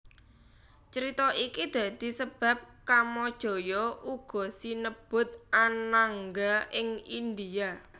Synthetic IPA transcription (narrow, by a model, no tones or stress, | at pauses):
t͡ʃəɾit̪ɔʔikid̪̥ä̤d̪̥i̤səb̥a̤p̚kamɔd̥ʒ̥ɔ̤jɔʔuɡ̥ɔ̤sinəb̥ʊt̪̚anaŋɡaɪŋind̪ia